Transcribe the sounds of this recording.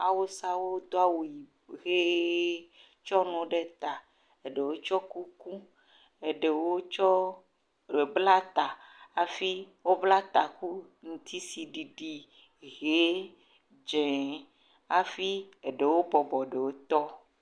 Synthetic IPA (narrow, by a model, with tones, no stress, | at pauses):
a˨wo˦sa˦wo˦d̪o˦a˦wo˨ji˨ | ɣe˦ | t͡ʃɔ˦nũ˨ɖe˦t̪a˨ | e˨ɖe˨wo˦t͡ʃɔ˦ku˦ku˦ | e˨ɖe˨wo˦t͡ʃɔ˦ | e˨bla˦t̪a˨a˨fi˦ | wo˦bla˦t̪a˨ku˦ | ŋũ˨t̪ʰi˦si˨ɖi˨ɖi˨ | ɣe˨˦ | d͡ʒẽ˨ | a˨fi˦e˨ɖe˨wo˦bɔ˨bɔ˨ɖe˨wo˦t̪ɔ˦